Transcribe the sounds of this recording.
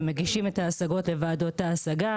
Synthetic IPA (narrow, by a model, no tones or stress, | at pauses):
meɡiʃime̞t̪aːsaɡo̞tle̞vaːdotaːsaɡa